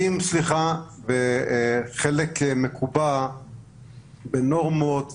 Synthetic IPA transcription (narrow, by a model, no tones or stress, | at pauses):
imsliχave | χelekmekʰuba | benoʁmot̪